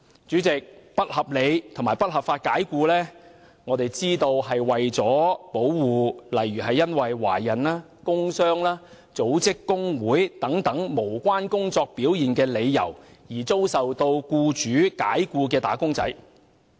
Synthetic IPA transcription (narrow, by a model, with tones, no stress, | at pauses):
t͡ʃyː˨˥t͡sɪ˨k̚pɐ˥t̚hɐ˨p̚le˨˧jt̪ʰʊ˨˩maː˨˩jpɐ˥t̚hɐ˨˩p̚faː˧t̚kaː˨˥jkuː˧lɛː˥ | ŋɔː˨˧t̪e˨jt͡siː˥t̪o˧wɦɐ˨jwɐ˨jt͡sɔː˨˥po˨˥wwuː˨lɐ˨jɥyː˨˩ɦɐ˨jːɐ˥nwɐ˨jwa̰ː˨˩jɐ˨˩naː˥ | kʊ˥ŋsœː˥ŋlaː˥ | t͡so˨˥wt͡sɪ˥kːʊ˥ŋwuː˨˥jt̪ɐ˨˥ŋt̪ɐ˨˥ŋmo˨˩wkʷaː˥nkʊ˥ŋt͡sɔː˧k̚piː˨˥wjiː˨˩nkɛː˧le˨˧jːɐ̰˨˩w | jiː˨˩t͡so˥wsɐ˨wt̪o˧wkuː˧t͡ʃyː˨˥kaː˨˥jkuː˧kɛː˧t̪a̰ː˨˥kʊ˥ŋt͡sɐ̰˨˥j